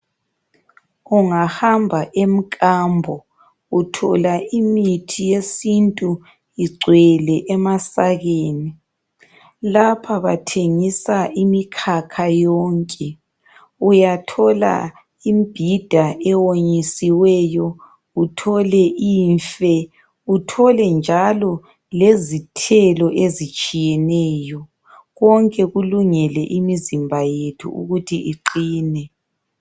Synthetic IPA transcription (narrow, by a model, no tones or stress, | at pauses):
uŋahambʱaʔem̩kʼambʱɔ | utʰɔ̰laʔimitʰijesintʼu | iɡ͡ǀʱwɛlɛʔɛmasaɣeːni | lapʰaβatʰeŋisaʔimikʰakʰajɔːŋkʼɛ | ujatʰɔla̰ | imb̥ʱid̥ʱaʔɛwoɲisiwɛjɔ | utʰɔlɛʔiːɱfɛ | utʰɔlɛnd͡ʒʱalɔ | lezitʰɛlɔʔezit͡ʃʼijɛnɛːjɔ | ɣɔŋkʼɛɣuluŋɛlɛʔimizimbʱajetʰṵṵɣutʰiʔiǃiːnɛ